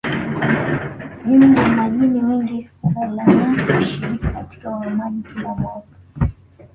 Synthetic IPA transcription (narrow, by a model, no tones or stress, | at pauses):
nimdamaʄinimiŋɡihkalanasʃiɾikikati̥kawaɛmaʄikilamɔv